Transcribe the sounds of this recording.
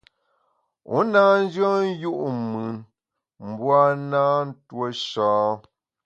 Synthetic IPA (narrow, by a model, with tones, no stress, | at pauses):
ṵ˦naː˦n̩˦d͡ʒə˦n˦ju˦ʔmɯ˨n | m̩˦bwa˦naː˦n̩˦two˦ʃɔː˨˦